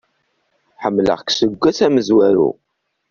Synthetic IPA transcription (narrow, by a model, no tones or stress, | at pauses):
ħəmːlə̰ʁksəɡʷːæsæməzwæɾṵ